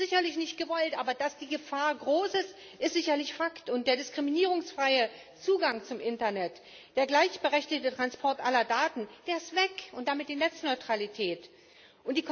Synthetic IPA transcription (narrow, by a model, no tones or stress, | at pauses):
z̥ɪçɐlɪçnɪçt̚ɡ̥əvɔltʔaːbɐd̥asd̥iːɡəfaːɐɡʁoːsɪs | ʔɪstz̥ɪçɐlɪçfaktʊnt̚d̥eːɐdɪskʁ̥iminiːʁ̞ʊŋsfʁ̥aɪə | t͡suːɡaŋt͡sʊmʔɪntɐnɛt | d̥eːɐɡlaɪçb̥əʁɛçtɪçtətʁ̥anspʰɔɐtʔalɐdaːtn̩d̥eːɐɪstv̥ɛkʊnt̚d̥amɪt̚d̥iːnɛt͡snɔʏtʁ̥alitʰɛːt | ʔʊntd̥iːk